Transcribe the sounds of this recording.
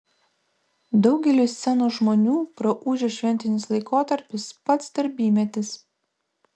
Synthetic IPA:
d̪ɒʊɡʲɛlʲʊːsʲɛnuːʒmoːnʲuːpɾɐʔuːʒʲoːʃʲʋʲɛnʲt̪ʲɪnʲɪslˠɐɪkoːt̪ɐɾʲpʲɪspɐt̪sd̪ɐɾʲbʲiːmʲɛt̪ʲɪs

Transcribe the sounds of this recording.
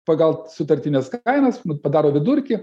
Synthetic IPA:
pɐɡɐlˠsʊt̪ɐɾʲt̪ʲɪnʲɛskɐɪnɐsnʊpɐd̪ɑːɾoːʋʲɪd̪ʊɾʲkʲɪ

